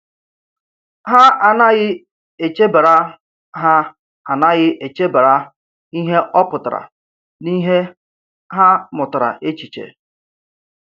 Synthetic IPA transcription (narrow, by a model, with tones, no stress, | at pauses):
ɦa˦a˨na˦ɣɪ˦ | e˨t͡ʃe˦ba˨ɾa˦ | ɦa˦ | a˨na˦ɣɪ˦ʔe˨t͡ʃe˦ba˨ɾa˦ | i˦ɦe˦ʔɔ˦pʊ˨ta˨ɾa̰˨ | ni˦ɦe˦ | ɦa˦mʊ˨tʊ˨ɾa̰˨ʔe˦t͡ʃi˨t͡ʃḛ˨